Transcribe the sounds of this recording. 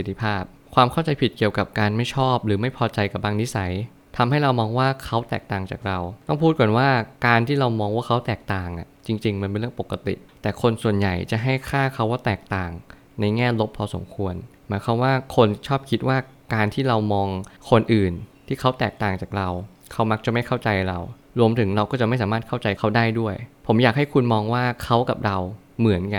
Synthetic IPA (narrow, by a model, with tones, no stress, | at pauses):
i˨˩t̪ʰːi˧˩pʰaː˥˩p̚kʰwaː˧mkʰa˥˩wt͡ɕa˧jpʰi˨˩t̪̚ki˨˩əwka˨˩p̚kaː˧nma˥˩jt͡ɕʰɔː˥˩p̚ɾɯː˩˦ma˥˩jpʰɔː˧t͡ɕa˧jka˨˩p̚baː˧ŋni˦˥sa˩˦j | t̪ʰa˧mɦa˥˩jɾa˧wmɔː˧ŋwaː˥˩kʰa˦˥wt̪ɛ̰ː˨˩k̚t̪aː˨˩ŋt͡ɕaː˨˩k̚ɾa˧wt̪ɔ˥˩ŋpʰuː˥˩t̪̚kwɔ˨˦nwaː˥˩kaː˧nt̪ʰiː˥˩ɾa˧wmɔː˧ŋwaː˥˩kʰa˦˥wt̪ɛː˨˩k̚t̪aː˨˩ŋʔa̰˨˩t͡ɕi˧ŋt͡ɕi˧ŋm˧npe˧nɾɯ˥˩ə˨ŋpo˨˩kːa˧t̪ḭ˨˩ʔt̪ɛː˨˩kʰo˧nsu˨˩ənja̰˨˩jt͡ɕa˨˩ʔɦa˥˩jkʰaː˥˩kʰa˦˥waː˥˩t̪ɛː˨˩k̚t̪aː˨˩ŋ | na˧jŋɛː˥˩lo˦˥p̚ʰɔː˧so̰˨˩˦mkʰu˧ənmaː˨˦jkʰa˧mwaː˥˩kʰo˧nt͡ɕʰɔː˥˩p̚kʰi˦˥t̪̚waː˥˩ | kaː˧nt̪ʰiː˥˩ɾa˧wmɔː˧ŋkʰo˧nʔɯː˨˩nt̪ʰiː˥˩kʰa˦˥wt̪ɛː˨˩k̚t̪aː˨˩ŋt͡ɕaː˨˩k̚ɾa˧w | kʰa˦˥wma˦˥k̚t͡ɕa˨˩ma˥˩jkʰa˥˩wt͡ɕa˧jɾa˧w | ɾu˧əmt̪ʰɯ˩˦ŋɾa˧wkɔː˥˩t͡ɕa˨˩ʔma˥˩jsaː˩˦maː˥˩a˥˩wt͡ɕa˧jkʰa˦˥wdaː˥˩jdu˥˩əjpʰo˩˦mjaː˨˩k̚ha˥˩jkʰu˧nmɔː˧ŋwaː˥˩kʰa˦˥wka˨˩p̚ɾa˧w | mɯ˩˦ənka˧